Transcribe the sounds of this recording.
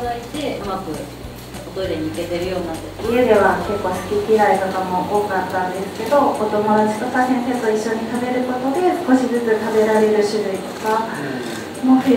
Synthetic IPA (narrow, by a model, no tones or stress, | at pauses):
zait̪e̞amakɯ̟ | ot̪oiɾeɲ̟iike̞t̪e̞ɾɯ̟jo̞ːɲʲinat̪ːeie̞d̪e̞β̞ake̞kːo̞ːsɨ̥kʲikʲiɾait̪o̞kamo̞ʔo̞ːkat̪ːãnd̪e̞sɨ̥ke̞d̪o̞ko̞t̪o̞mo̞d̪at͡ɕi̥k̪okaɦẽnset̪o̞iɕːo̞ɲ̟it̪abe̞ɾɯ̟ko̞t̪o̞d̪e̞sɨ̥ko̞ɕizɨt͡sɨt̪abe̞ɾaɾe̞ɾɯ̟ɕɨɾɯ̟it̪o̞̥ka | mo